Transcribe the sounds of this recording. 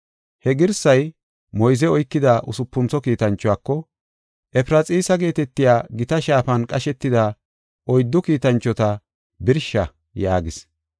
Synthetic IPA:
hɛɡɪɾsɐj | mɔjzɛɔjkːɪd̪aʔʊsʊpːʊnt͡sɔkiːt̪ɐnt͡ʃːɔaːkːɔ | ʔɛpɪɾɐt͡sʼiːsɐɡe̞ːt̪ɛt̪ːɪjaːɡɪt̪ɐʃaːfɐnkʼɐʃɛt̪ːɪd̪aː | ʔɔjd̪ːɔkiːt̪ɐnt͡ʃːɔt̪ɐ | bɪɾʃːɐ | jaːɡɪs

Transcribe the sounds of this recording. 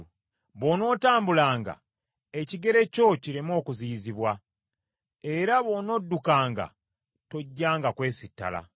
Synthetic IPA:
βo̞no̞ːtaːmbulaːŋɡa̰ | e̞ciɡe̞ɾe̞co̞ciɾimo̞ːkuziːziβwa | e̞ɾaβo̞no̞dːukaːŋɡa̰ | to̞ɟːaːŋɡakwe̞ːsitːa̰la̰

